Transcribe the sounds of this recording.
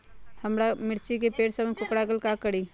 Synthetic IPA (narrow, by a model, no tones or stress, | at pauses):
həmɾamɪɾt͡ʃikepeːʈsəmkʊkɽaɡəlkakəɽi